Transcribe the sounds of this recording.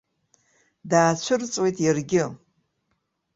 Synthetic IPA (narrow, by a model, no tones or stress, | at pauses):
daːt͡ɕʷʰɨrt͡sʼwejtʼjarɡʲɪ